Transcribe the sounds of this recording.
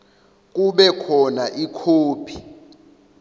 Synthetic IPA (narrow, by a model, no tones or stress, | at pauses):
k̬uɓɛkʰɔnaʔikʰoːpʰi̥